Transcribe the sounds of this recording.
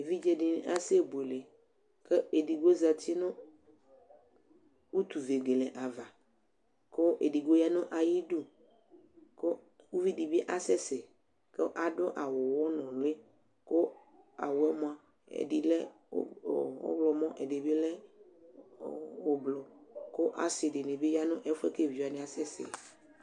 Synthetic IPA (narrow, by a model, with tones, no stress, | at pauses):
e˨vi˦d͡ʒe˦ɖi˨n˦ʔa˦se˦˨be˨le˨ | ke˦e˨ɖi˨ɡo˦za˨t̪i˦nõ˦ | wu˦t̪u˨ve˨ɡe˨le˨ʔa˨va˨ | ko˦ʔe˨di˨ɡo˦ja˦nõ˦ʔa˨ji˦ɖu˦ | ko˦ | wu˦vi˦ɖi˨bi˦ʔa˦sɛ˦sɛ˨ | ke˦ʔa˨ɖʊ˦ʔa˨wʊ˨wɔ˦nɔ̃˨lʊ˦e˦ | ko˦ | a̰˨wo˨ɛ˦mɔ̃˦a˨ | ḛ˨di˨lɛ̰˦˨ | o̰˦blɔ˨mɔ̃˦ʔḛ˨de˨be˦lɛ˦ | wo˨blɔ˨ko˦ʔa˨sɪ˨dɪ˨ne˨be˦ja˦nʊ̃˦ʔɛ˦fɛ˦ke˦˨vi˨a˨nɪ̃˨a˨sɛ˦sɛ̰˨